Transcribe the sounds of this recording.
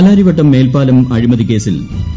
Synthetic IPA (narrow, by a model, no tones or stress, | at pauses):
laːɾiʋɐʈːɐmːe̞ːlpaːlɐmɐɻimɐðike̞ːsil